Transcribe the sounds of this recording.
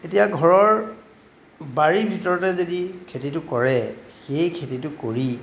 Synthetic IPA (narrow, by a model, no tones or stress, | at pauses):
etijaɡʱɔɹɔɹ | baɹibʱitɔɹɔtɛzodikʰetitʊkɔɹɛxejkʰetitʊkoɹi